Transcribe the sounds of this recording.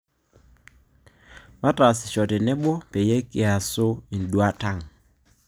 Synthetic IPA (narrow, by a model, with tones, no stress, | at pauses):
βa˦ta˨sɪ̥˨ʃɔ˨tɛ˨nɛ˦ɓɔ˦pɛ˨je˦kɪ˨a˨so˦i˨n̩˨dwa˦ta˦˨ŋ˨